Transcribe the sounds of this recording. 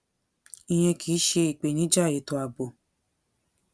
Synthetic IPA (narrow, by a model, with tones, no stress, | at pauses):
ĩ˧j̃ɛ̃˧kʰiː˨˦ʃe˧i˨k͡pe˨nĩ˨˦d͡ʒa˦˨je˨˦to˧a˨ɡ͡bo˨